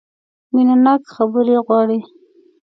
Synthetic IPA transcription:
minanakxabəɾeɣwɑɽi

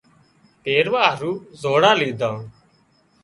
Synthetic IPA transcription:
p̪eːɾʋaːɦəɾuːzoːɽãːliːd̪ʱãː

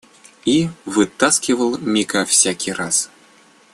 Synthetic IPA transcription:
ivɨt̪ːaskʲivəlˠmʲikafsʲakʲiras

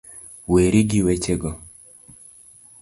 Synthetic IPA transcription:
weɾiɡiwet͡ʃeɡɔ

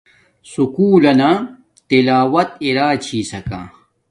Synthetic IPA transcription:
sukuːlɐna | t̪ilaːwɐt̪̚iɾaːt͡ɕʰiːsɐkã̰ː

